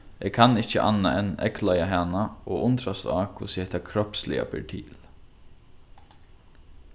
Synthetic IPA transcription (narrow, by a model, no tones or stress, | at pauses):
ɛːkʰanːɪht͡ʃəʔa̰nːaʔɛnɛ̰klajaɦaːnaɔʊnt̪ɾast̪aːkʰusɪhɛht̪akʰɾɔpslɪ̰a̰pɛɹt̪ʰḭːl